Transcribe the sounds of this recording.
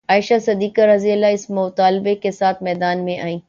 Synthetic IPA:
aːɪʃasɐd̪iːkaɾɐzelaɪsmʊːt̪aːlbekesaːt̪ʰmɛːd̪aːnmẽʔaːĩː

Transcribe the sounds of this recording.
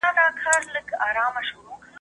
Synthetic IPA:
ad̪ɑkʰɑɾləɡɑːɾɑːmaʃʊɾok

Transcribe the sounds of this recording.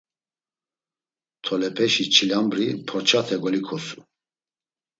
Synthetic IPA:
t̪ʰɔlɛpʰɛʃit͡ʃʰilambɾipʰɔɾt͡ʃʰat̪ʰɛɡɔlikʰɔsu̥

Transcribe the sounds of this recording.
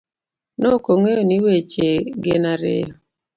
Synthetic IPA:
nokoŋeoniwet͡ʃeɡenaɾḛ

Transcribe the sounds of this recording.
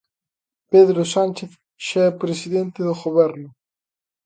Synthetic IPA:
peðɾosanʲt͡ʃeθ | ʃɛpɾesiðent̪eðoxoβeɾno

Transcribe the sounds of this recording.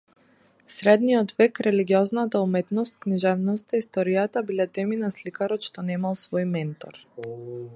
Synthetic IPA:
sɾɛd̪nijɔt̪vɛkɾɛliɡiɔznat̪aumɛt̪nɔst̪̚kniʒɛvnɔst̪aist̪ɔɾijat̪abilɛt̪ɛminaslikaɾɔt̪ʃt̪ɔnɛmalˠsvɔjmɛnt̪ɔ̰ɾ

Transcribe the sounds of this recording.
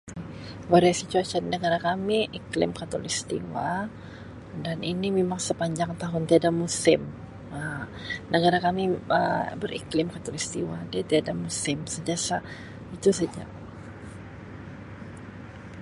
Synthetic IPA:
waɾaasit͡ʃ̪uasannəɡaɾakamiʔiklɪ̰mkat̪olist̪ḭwa | daninimemaŋsəpaɲd͡ʒaŋt̪aɦʊnt̪iadamusɪm | ə | nəɡaɾakamiə̰bərḭklɪmkat̪ɔlist̪iwadɛt̪iadamusɪmsəɲd͡ʒasa | it̪usad͡ʒa̰

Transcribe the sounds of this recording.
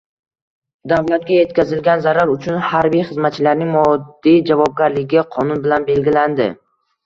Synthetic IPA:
d̪avlat̪̚ɡʲaje̞t̪̚kʲazɪlɡʲanzaɾaɾʊt͡ʃʰʊnhaɾbijχɨzmat̪̚t͡ʃʰɪlaɾnɪŋmɒdd̪ːijd͡ʒavɒb̚ɡʲaɾlɪɡʲaqʰɒnʊnbɪlanbe̞lɡʲɪland̪ɪ

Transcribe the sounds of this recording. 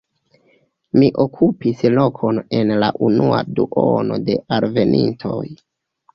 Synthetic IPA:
miʔo̞kʰupislo̞kʰo̞ne̞nlaʔunua̰duʔono̞de̞ʔaɾve̞nintʰo̞j

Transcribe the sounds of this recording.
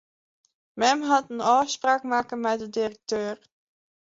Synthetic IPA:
mɛmɦɑtənɑːspraːkmaːkənmɛdədirək̚tøːr

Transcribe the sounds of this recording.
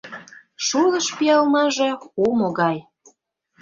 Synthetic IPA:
ʃulə̆ʃpijɑlmɑʒeumoɣɑj

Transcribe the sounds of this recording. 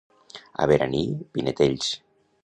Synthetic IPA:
a̰βeɾanipinet̪eʎs

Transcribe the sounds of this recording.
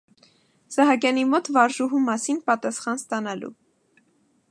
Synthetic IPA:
z̥ɑɦɑkjɑnimɔt̪vɑɾʒuɦumɑsinpɑt̪ɑsχɑnst̪ɑnɑlṵ

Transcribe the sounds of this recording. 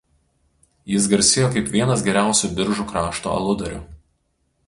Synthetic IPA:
jɪs̬ɡɐɾʲsʲɪjoːkɐɪpʋʲiɛnɐsɡʲɛɾʲæˑʊsʲuːˑbʲɪɾʒuːkɾɑːʃt̪o̰ːɐ̰lˠʊd̪ɐɾʲʊ̰

